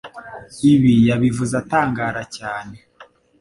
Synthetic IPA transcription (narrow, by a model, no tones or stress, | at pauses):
iβijaβivuzataːŋɡaːɾacaːne